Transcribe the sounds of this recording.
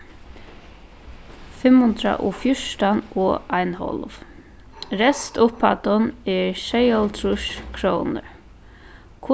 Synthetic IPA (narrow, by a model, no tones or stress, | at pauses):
fɪmhʊnt̪ɾa̰ʔɔ̰fjʊʂʈanɔajnhɔ̰lv | ɾɛst̪ʊpʰːat̪ʊnɛɹʃejɔlt̪ʰɾʊʃkʰɾoːnə̰ɹ | kʰʊ